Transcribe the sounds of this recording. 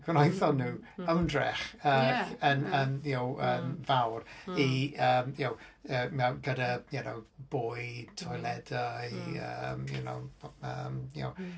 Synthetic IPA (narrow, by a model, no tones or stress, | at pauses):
ɡwnajθɔnuːəwndrɛ̰χəənənjowəːmvawriəːmjowəːmɛwɡədajɛnowb̥ʊjtʰɔjlˠɛdajə̰mjṵno̰wəːmjo̰w